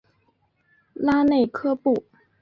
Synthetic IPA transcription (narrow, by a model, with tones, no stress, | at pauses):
la˥ne˥˩ɪkʰɤ˥pu˥˩